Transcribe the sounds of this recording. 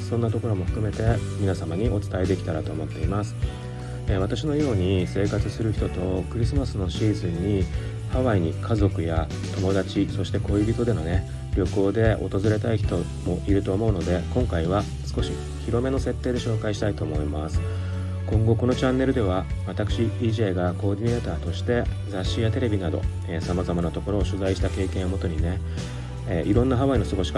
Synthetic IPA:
sõ̞nːat̪o̞ko̞ɾo̞mo̞ɸɯ̟̥kɯ̟me̞t̪e̞mʲinasamaɲ̟iʔo̞t͡sɨ̥t̪aed̪e̞kʲi̥t̪aɾat̪o̞ːmo̞t̪ːe̞imasɨ̥ | β̞at̪aɕ̬ino̞jo̞ːɲ̟ise̞ːkat͡sɨsɨɾɯ̟çi̥t̪o̞t̪o̞k̟ɾʲisɨmasɨno̞ɕiːzɨ̃ɲ̟ːi | haβaiɲ̟ikʰazo̞kɯ̟ja | t̪o̞mo̞d̪at͡ɕiso̞ɕi̥t̪e̞ko̞ibʲit̪o̞d̪e̞no̞ne̞ | ɾʲo̞ko̞ːd̪e̞o̞̰t̪o̞zɨɾe̞t̪aiçi̥t̪o̞ | mo̞ʔiɾɯ̟t̪o̞ːmo̞ɯ̟no̞d̪e̞kõ̞ŋkaiβa | sɨ̥ko̞ɕi | çiɾo̞me̞no̞se̞t̪ːe̞ːd̪e̞ɕo̞ːkaiɕi̥t̪ait̪o̞ːmo̞imasɨ̥ | kõ̞ŋɡo̞ko̞no̞t͡ɕãnːe̞ɾɯ̟d̪e̞β̞aβat̪akɯ̟̥ɕiiːʑe̞ːɡako̞ːd̪ʲine̞ːt̪aːt̪o̞ɕi̥t̪e̞ | zaɕːijat̪e̞ɾe̞bʲinad̪o̞̰ | esamazamanat̪o̞ko̞ɾo̞ːɕɨzaiɕi̥t̪ake̞ːkẽomo̞t̪o̞ɲ̟ine̞ | eʔiɾõ̞nːaɦaβaino̞sɨɡo̞ɕi̥k

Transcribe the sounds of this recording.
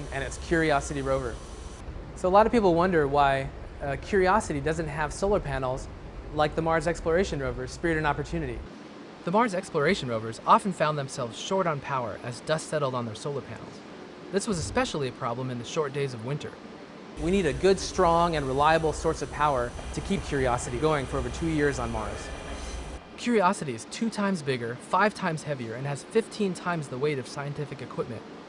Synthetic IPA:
ɨ̃ñɨtskʰj̥ʊɹiɑsɨɾiɹoʊvə̰˞ | soʊəlɑɾʌv̥pipl̩ˠwʌ̃ndə˞waɪkʰj̥ʊɹiɑsɨɾidʌzɨ̃nt̚ɦəv̥soʊlˠə˞pʰænl̩ˠz | laɪk̚ðəmɑɹzɛksplə˞eɪʃɨ̃nɹoʊvə̥˞spɪɹɾɨ̃nɑpə˞tʰʉnɨɾḭ | ðəmɑɹzɛksplə˞eɪʃn̩ɹoʊvə˞zɑfn̩fãʊ̃nðɨ̃msɛlˠvz̥ʃɔɹɾn̩pʰaʊə̰˞ʔɨzdʌstsɛɾl̩ˠdn̩ðə˞soʊlˠə˞pʰæ̰̃nl̩ˠz̥ | ðɪswʌzɨspɛʃl̩ˠiɨpʰɹ̥ɑblə̃mɨ̃nðɨʃɔɹt̚d̥eɪzʌvwɪ̃ntʰə̰˞ | winiɾɨɡʊdstɹ̥ɔ̃ŋɨ̃nɹɪlaɪəbl̩ˠsɔɹsʌv̥pʰaʊə˞ɾɨkʰiv̥kʰj̥ʊɹiɑsɨɾiɡoʊɪ̃ŋfə˞oʊvə˞tʰʉjɪɹzn̩mɑ̰ɹz̥ | kʰj̥ʊɹiɑsɨɾiɨz̥tʰʉtʰãɪ̃mzbɪɡə˞faɪv̥tʰãɪ̃mz̥hɛviə˞ɨ̃nɨz̥fɪftʰĩntʰãɪ̃mzðəweɪɾʌv̥saɪɨ̃ntʰɪfɨkɨkʰw̥ɪp̚mɨ̰̃nt̚

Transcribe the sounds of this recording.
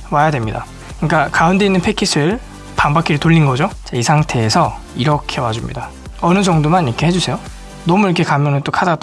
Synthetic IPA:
wajadwemɲida̰ | kɯɲik͈akaunde̞inːɯnpʰekʰis͈ʰɯɭ | pambakʰiɾɯtoʎːinɡʌd͡ʑot͡ɕeisʰaŋtʰe̞ːsʰʌ | iɾʌkʰe̞wad͡ʑumɲḭda | ʌnɯd͡ʑʌŋdomaniʌkʰe̞ɦed͡ʑusʰe̞jo | nʌmuiɾʌkʰe̞kamjʌnɯnt͈okʰadat

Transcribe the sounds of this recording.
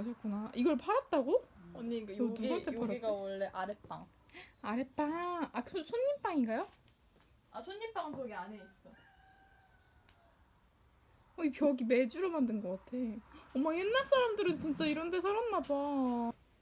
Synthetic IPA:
aɕʰʌk͈unaʔiɡʌɭpʰaɾat̚t͈aɡonɡajonuɡaepʰaɾaiɡawwʌɭːe̞ʔaɾep͈a̰ŋ | aɾep͈aatʰosʰoɲːimp͈aŋiŋɡajo | asʰoɲːimp͈aŋsʰoɡiaɲeis͈ʌ | oipjʌɡime̞d͡ʑuɾomandɯnɡʌk͈atʰe̞ʌmːajenːak̚s͈aɾamdɯɾɯnt͡ɕint͡ɕ͈aiɾʌnde̞sʰaɾanːabʌ

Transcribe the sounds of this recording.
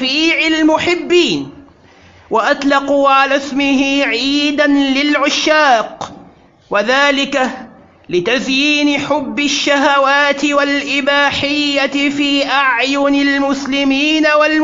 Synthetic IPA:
iːʕalmʊħɪbːiːn | waʔat̪ˤlɑquʕalasmɪhɪʕiːd̪anlɪlʕʊʃːaːq | waðaːlɪka | lɪt̪azjiːnɪħʊbːɪʃːaɦawaːt̪ɪwalʔɪbaːħɪjːafiːʔaʕjʊnalmʊslɪmiːnawal

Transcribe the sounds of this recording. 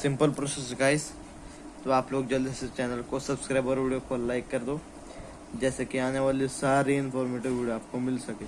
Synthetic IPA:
sɪ̃mpəlpɾɔseskaːis | t̪oaːploːɡd͡ʒɐld̪ist͡ʃɛːnəlkosɐbskɾaɪbɔɾʋiɽijokolajkːɐɾd̪o | d͡ʒɛːsekiaːneʋaːlisaɾiɪnfɔːɾmeʈiʋʋiɽoaːp̚komɪlsɐke

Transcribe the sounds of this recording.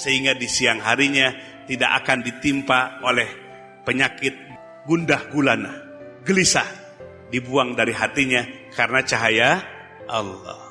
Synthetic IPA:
səɦiŋɡadisiaŋɦaɾiɲa | t̪ida̰ka̰kandit̪impaolɛh | pəɲakɪt̪̚ | ɡundahɡulanah | ɡəlisa | dibuaŋdaɾiɦat̪iɲa | kaɾənat͡ʃaɦaja | ʔa̰lːɔ̰h

